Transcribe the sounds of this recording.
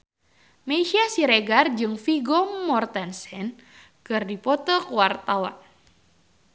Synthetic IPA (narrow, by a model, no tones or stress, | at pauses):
meʃiasiɾeɡard͡ʒɨŋfiɡɔmːɔrt̪ansɛn | kɨrdipɔt̪ɔkuwart̪awa̰n